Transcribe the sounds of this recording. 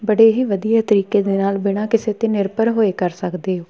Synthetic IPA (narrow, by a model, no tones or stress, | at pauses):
bəɽeːɦiːʋəd̪ijaːt̪əɾiːkeːd̪eːnaːlbɪɽ̃aːkɪseːt̪eːnɪɾpəɾɦoːeːkəɾsəkd̪eːɦoː